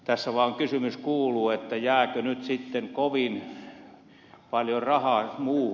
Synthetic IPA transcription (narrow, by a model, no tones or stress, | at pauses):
t̪æsːæʋɑːŋkysymyskuːluːet̪ːæjæːkønyt̪sit̪ːeŋkoʋin | pɑljorɑhɑːmuː